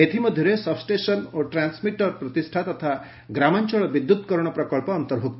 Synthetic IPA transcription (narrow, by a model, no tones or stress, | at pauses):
et̪ʰimɔd̪ʱjɔɾesɔbsʈesɔnoʈɾansmiʈɔɾpɾɔt̪isʈʰat̪ɔt̪ʰa | ɡɾamaɲt͡ʃɔɭbid̪ːud̪kɔɾɔɽ̃ɔpɾɔkɔɭpɔːnt̪ɔlɦok̚t̪